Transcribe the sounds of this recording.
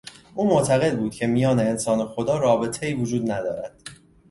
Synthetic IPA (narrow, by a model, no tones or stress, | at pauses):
ʔuːmoʔt̪ʰæɣe̞d̪̚buːd̪̥̚cʰe̞mijɒːne̞ːnsɒːnexo̞d̪ɒːɾɒːbe̞t̪ʰe̞iːvod͡ʒuːd̪næd̪ɒ̰ːɾæd̪̥